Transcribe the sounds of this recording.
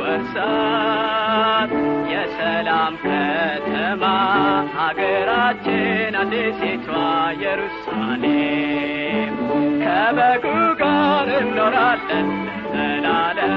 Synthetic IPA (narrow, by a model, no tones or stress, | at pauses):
wəɾsa | t̪jɛsəlamkʰət̪ʰəmahaɡəɾat͡ʃːɪnaseset̪ʰajɛɾusmale | kʰəbəɡuɡaɾɨnːoɾalːən | zəlalə